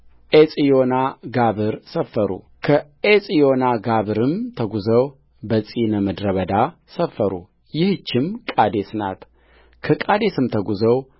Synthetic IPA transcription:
ʔesʼijonaɡaβɨɾsəfːəɾṵ | kʰə | esʼijo̞naɡaβɨɾɨmt̪ʰəɡuzəw | bəsʼinəməd̪ɾəβəd̪a | səfːəɾṵ | jɪht͡ʃːɪmkʼad̪e̞sna̰t̪ | kʰəkʼad̪e̞sɨmt̪ʰəɡuzəw

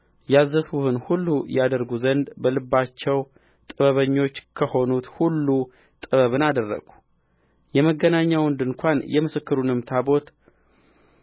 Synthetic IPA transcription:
jazːəsuhɨnhulːujad̪əɾɡuzənd̪bəlɨbːat͡ʃːɛw | t̪ʼɨβəβəɲːo̞t͡ʃːkʰəho̞nut̪hulːu | t̪ʼɨβəβɨnad̪ərːə̰ɡu | jɛməɡənaɲːawɨnd̪ɨŋkʷʰanjɛmɨsɨkːɨɾunɨmt̪ʰabo̞t̪

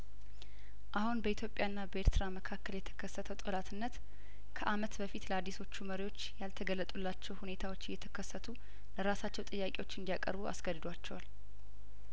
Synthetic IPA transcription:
ʔahunbəit̪jo̞pʼjaɨnːabəeɾt̪ʰɨɾaməkʰakːəljɛt̪ʰə̥kʰəsːət̪ʰəwt̪ʼolat̪ʰɨnːət̪ | kʰəʔamət̪bəfit̪ləad̪ːiso̞t͡ʃːuməɾiwo̞t͡ʃːjalt̪ʰəɡəlːət̪ʼulːat͡ʃːɛwhune̞t̪ʰawo̞t͡ʃːɪjːɛt̪ʰə̥kʰəsːət̪ʰu | ləɾasat͡ʃːɛwt̪ʼɨjːakʼewo̞t͡ʃːɨnd̪ijakʼə̰ɾbua̰sɡəd̪ɨd̪ʷat͡ʃːɛwal

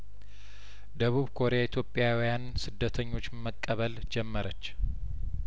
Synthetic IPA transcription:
d̪əβuβkʰo̞ɾejait̪ʰjopʼːjawijansɨd̪ːət̪ʰəɲːo̞t͡ʃːməkʼːəβəld͡ʒɛmːəɾət͡ʃː

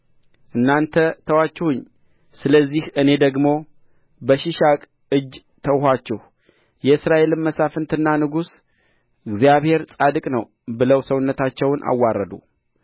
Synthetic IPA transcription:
ʔɨnːant̪ʰət̪ʰəwat͡ʃːɛhʊɲː | sɨləzːihɨne̞d̪əɡmo | bəʃɪʃakʼ | ɨd͡ʒː | t̪ʰəwɦat͡ʃːɛhu | jɛɨsɾaʔe̞lɨnməsafɨnt̪ʰɨnːanɨɡus | ɨɡzijaβhe̞ɾsʼad̪ɨkʼnəw | bɨləwsəwʊnːət̪ʰat͡ʃːɛwnʔa̰wːarːəd̪ṵ

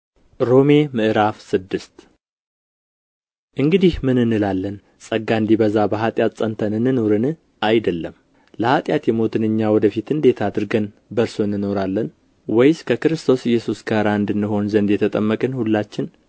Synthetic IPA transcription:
ɾo̞me̞mɨʔɨɾafsɨd̪ːɨst̪ | ʔɨŋɡɨd̪ihmɨnɨnːɨlalːən | sʼəɡand̪ibəzabəɦat̪ʼjat̪sʼənt̪ʰənɨnːɨno̞ɾɨnɨ | ajd̪əlːəm | ləhat̪ʼjat̪jɛmo̞t̪ʰɨnɨɲːawɔd̪əfit̪ɨnd̪e̞t̪ʰad̪ɨɾɡən | bəɾsoɨnːɨno̞ɾalːən | wɔjskʰəkɨɾɨst̪ʰo̞sɪjːɛsusɡaɨɾaɨnd̪ɨnːɨɦo̞nzənd̪jɛt̪ʰət̪ʼəmːəkʼɨnhulːat͡ʃːɪn

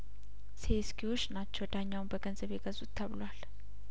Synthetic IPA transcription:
seskʰiwo̞t͡ʃːnat͡ʃːɛwd̪aɲːawnbəɡənzəβeɡəzut̪ʰːəβlal

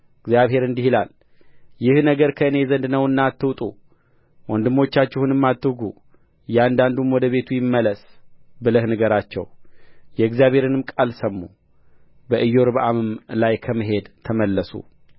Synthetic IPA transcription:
ɨɡzjaβɦe̞ɾɨnd̪ihilal | jɪhnəɡəɾkʰəɨne̞zənd̪nəwɨnːat̪ːɨwt̪ʼṵ | wɔnd̪ɨmːo̞t͡ʃːat͡ʃːɛhunɨmːat̪ːɨɡṵ | jɛand̪and̪umwɔd̪əβe̞t̪ʰujɪmːələsbɨləhnəɡəɾat͡ʃːɛ̰wjɛɡzijaβhe̞ɾɨnɨmkʼalsəmːu | bəʔɨjːo̞ɾbʔamɨmlajkʰəmɨɦe̞d̪t̪ʰəməlːəsṵ

